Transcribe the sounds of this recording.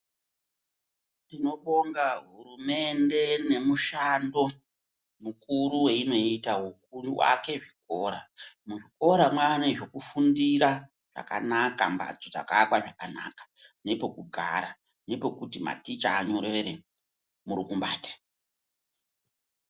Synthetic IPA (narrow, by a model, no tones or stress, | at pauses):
ndino̞ɓo̞ŋɡaɦuɾume̞nde̞ne̞muʃando̞ | mukuɾuweino̞itaɦukuruwa̰ke̞ʐiko̞ːɾa̰muʐiko̞ɾamwaneʐo̞kufundiɾa | ʐ̥a̰ka̰nakamba̰d͡zod͡za̰kakwaʐakana̰kḁne̞po̞kuɡʱa̰ɾa | ne̞po̞kutima̰tit͡ʃaːɲo̞ɾe̞ɾe | muɾikumbaːte̥